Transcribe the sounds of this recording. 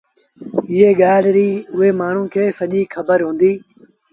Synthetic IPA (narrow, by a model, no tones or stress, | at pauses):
ɪɦeːɠaːlɾiːʊɦeːmaːɳ̤ũːkʰeːsəʄiːkʰəbəɾɦũːnd̪iː